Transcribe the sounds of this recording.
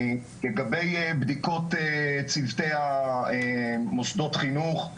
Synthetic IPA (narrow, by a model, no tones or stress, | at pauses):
leɡabe̞jbd̪iko̞t̪et͡sivt̪ejhaemosd̪o̞tχinuχ